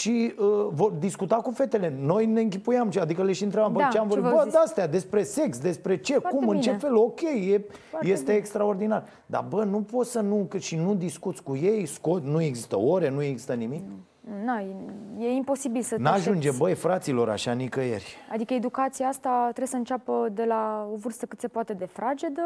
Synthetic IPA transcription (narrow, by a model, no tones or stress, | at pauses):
ʃiəvo̞rd̪iskut̪akufe̞t̪e̞le̞no̞jne̞ɨŋk̬ʲipujamʃiad̪ikəle̞ʃiɨnt̪ɾebambət͡ʃeamvoɾbʲbəd̪aast̪ejad̪e̞spɾe̞se̞ksd̪e̞spɾe̞t͡ʃe̞kumɨnt͡ʃefe̞lo̞kʲe̞jːe̞je̞st̪e̞ːkst̪ɾao̞rd̪inar | d̪a̰bənupo̞t̪sənukɨʃinud̪iskut̪sʲkuje̞jsko̞t̪nue̞ɡzist̪ə̰oɾe̞nue̞ɡzi̥st̪ənimik | naeje̞impo̞sibilsənaʒund͡ʒebəjfɾat̪silo̞ɾa̰ʃanikəje̞̰rʲad̪ikəed̪ukat̪siaast̪at̪ɾebsəɨnt͡ʃapəd̪e̞laovɨrst̪əkɨt̪se̞poat̪e̞d̪e̞fɾad͡ʒed̪ə